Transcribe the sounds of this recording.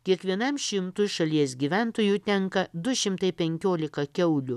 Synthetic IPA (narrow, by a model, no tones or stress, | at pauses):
kʲiɛkʋʲiɛnɐmʃʲɪmt̪ʊʃɐlʲiɛsɡʲiʋʲæˑnt̪oːjut̪ʲɛŋkɐd̪ʊʃʲɪmt̪ɐɪpʲɛŋʲkʲoːlʲɪkɐkʲɛʊlʲʊ